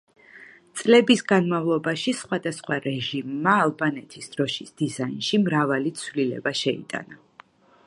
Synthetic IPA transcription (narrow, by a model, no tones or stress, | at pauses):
t̪sʼlɛbisɡanmavlˠɔbaʃisχwad̪asχwaɾɛʒimːaːlˠbanɛt̪ʰisd̪̥ɾɔʃisd̪̥izainʃimɾavalit̪sʰvlilɛ̰baʃɛḭt̪ʼa̰na